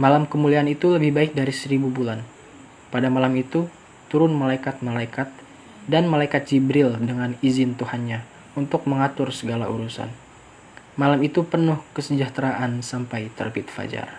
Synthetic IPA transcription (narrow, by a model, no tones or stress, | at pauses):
malamkəmuliaːnit̪uləbɪhbaɪk̚daɾisəɾibubulan | padamalamit̪u | t̪uɾʊnmalaikat̪̚malaikat̪̚ | danmalaikat̪̚d͡ʒibɾɪldəŋanizɪnt̪uhanɲa | unt̪ʊk̚məŋat̪ʊrsəɡalaṵɾusa̰n | malamit̪upənʊhkəsəd͡ʒaht̪ɾaʔansampajt̪ə̰rbit̪fa̰d͡ʒa̰r